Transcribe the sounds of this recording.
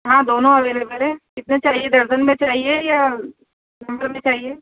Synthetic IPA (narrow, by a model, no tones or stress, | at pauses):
ɦãːd̪oːnõɐʋeːlebɛːlẽkɪt̪net͡ʃaːɦied̪ɐɾʃənmẽt͡ʃaːɦieja | nɐ̃mbəɾmẽt͡ʃaːɦieː